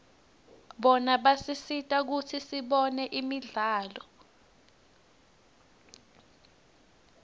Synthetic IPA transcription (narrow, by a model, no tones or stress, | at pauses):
ɓɔnaɓasisitʼak̬utʰisiɓɔnɛʔimiɮaːlɔ